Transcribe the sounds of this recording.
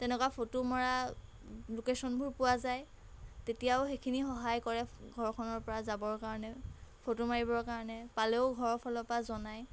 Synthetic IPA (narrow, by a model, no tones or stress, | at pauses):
tɛnɛkwapʰotomaɹa | lokesɔnbʱuɹpuwazaj | tetijaʊxekʰinixɔɦajkɔɹɛɡʱɔɹkʰɔnɔɹpɔɹazabɔɹkaɹɔnɛpʰotomaɹibɔɹkaɹɔnɛpaleʊɡʱɔɹɔpʰɔlɔpazɔnaj